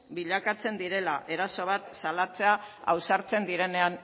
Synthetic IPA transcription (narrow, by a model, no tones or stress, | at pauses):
biʎakat͡se̞nd̪iɾe̞laʔe̞ɾaso̞β̞at̪salat͡se̞aa̰wsaɾt͡se̞nd̪iɾe̞ne̞an